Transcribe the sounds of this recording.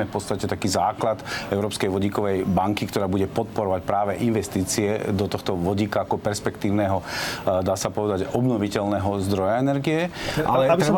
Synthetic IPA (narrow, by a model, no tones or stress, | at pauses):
ɛfpɔt̪t͡sst̪acɛt̪akiːzaːklat̪ɛʊɾɔːpskɛjʋɔɟiːkɔʋɛjbaŋkikt̪ɔɾaːbuɟɛpɔt̪̚pɔɾɔʋacpɾaːʋɛʔinʋɛst̪iːt͡siɛd̪ɔt̪ɔxt̪ɔʋɔɟiːkaːkɔpɛɾspɛkt̪iːʊnɛːɦɔd̪aːsapɔʋɛd̪aɟɔbnɔʋicɛlnɛɦɔzd̪ɾɔjaɛnɛɾɡijɛʔalɛ